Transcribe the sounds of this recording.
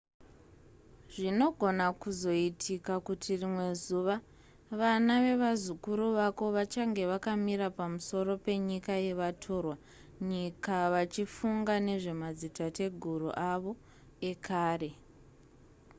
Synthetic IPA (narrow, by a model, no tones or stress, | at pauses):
ʐino̞ɡʱo̞nakuzo̞itʰikakutʰirimwe̞zuʋa | ʋanaʋe̞ʋazukuɾuʋako̞ʋat͡ʃaŋɡe̞ʋakamiɾapamuso̞ɾo̞pe̞ɲikaje̞ʋatʰo̞ːrwa | ɲikaʋat͡ʃifuŋɡane̞ʐe̞mad͡zitate̞ɡʱurṵʔaʋo̞ | e̞kʰaːre̞